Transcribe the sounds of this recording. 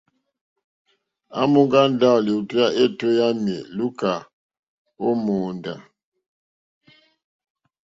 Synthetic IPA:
a̰˦mu˦ŋɡa˦n˦da˦˨li˨u˨tu˦ja˦ʔe˦˨to˦ja˦mḛ˨lu˦ka˨ | o˦mo˨nda̰˨

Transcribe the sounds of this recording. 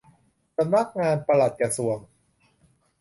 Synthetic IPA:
sa˧mna˦˥˩k̚ŋaː˧npa˧la˨˩t̪̚ka˧su˨˩əŋ

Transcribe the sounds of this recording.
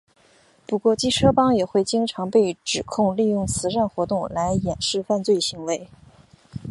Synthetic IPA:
pu˧˥kwɔ˥˩t͡ɕi˥ʈ͡ʂʰɤ˥pɑ˥ŋjɛ˨˩xwe˥˩ɪt͡ɕi˥ŋʈ͡ʂʰɑ˧˥ŋpe˥˩ɪʈ͡ʂɻ̩˨˩kʰʊ˥˧ŋli˥˧jʊ˥˩ŋt͡sʰɹ̩˧˥ʂa˥˩nxwɔ˧˥t̪ʊ˥˩ŋla˧˥ɪjɛ˨˩nʂɻ̩˥˧fa˥˧nt͡swe˥˩ɪɕi˧˥ŋwe˧˥ɪ

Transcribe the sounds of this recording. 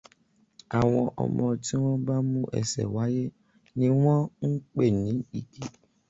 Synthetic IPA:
a˨w̃ɔ̃˧ʔɔ̰˨mɔ̃˧ti˦w̃ɔ̃˦ba˦mũ˦ʔɛ̰˨sɛ̰˨wa˨˦je˦ | nĩ˦w̃ɔ̃˦ŋ̩˦k͡pe˦˨nĩ˨˦i˦˨ɡe˨

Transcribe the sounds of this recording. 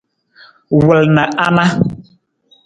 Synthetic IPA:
wə˨lnə˨ʔa˦na˦

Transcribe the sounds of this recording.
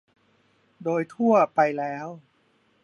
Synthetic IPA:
doː˧jt̪ʰu˥˩ɐpa˧jlɛː˦˥w

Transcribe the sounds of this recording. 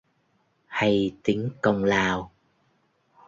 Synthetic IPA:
ha˧jt̪i˨˦əŋkə˧wŋ͡mlaː˨˩w

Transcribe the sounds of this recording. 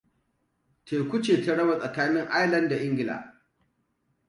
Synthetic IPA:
tʰeː˨kʷʊ˦t͡ʃeː˨ta˦ɽɐ˦ba˨sʼɐ˨kaː˦nɪ˦ŋʔa˦jlɐ˦nda˨ʔɪ˦ŋɡʲɪ˨la̰ː˨

